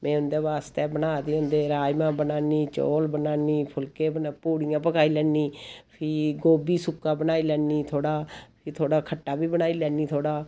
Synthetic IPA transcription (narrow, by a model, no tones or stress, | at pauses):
mɛ̃ːʊnd̪eːʋaːst̪eːbənaːt̪eːʊnd̪eːɾaːjmãːbənaːniːt͡ʃo̰ːlbənaːniːpʰʊlkeːpuːɽijãːp̬əkʰaːiːlɛːniːpʰɪɡoːbiːsʊkːãːbənaːiːlɛːniːt̪ʰoːɽaːpʰɪt̪ʰoːɽaːkʰəʈːaːbiːbənaːiːlɛːniːt̪ʰoːɽaː